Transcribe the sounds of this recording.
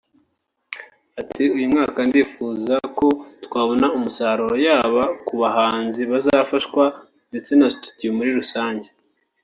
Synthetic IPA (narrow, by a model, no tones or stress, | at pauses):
atʰiujumŋaːkandifuːzako̞tkwaːβo̞naumusaːɾuɾojaːβakuβaɦaːnziβazafaʃkwa | nde̞t͡se̞nazitu̥ciumuɾiɾusaːɲɟe